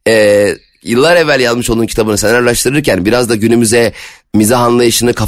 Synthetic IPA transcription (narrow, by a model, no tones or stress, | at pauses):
ɛː | jɯlˠːaɾevːælʲjazˠmɯʃolˠd̪uncʰit̪ʰabɯnɯsenaɾlˠaʃt̪ɯɾɯɾcʰænbiɾazd̪aɟynymyzɛ | mizaɦanlˠajɯʃɯnɯkʰa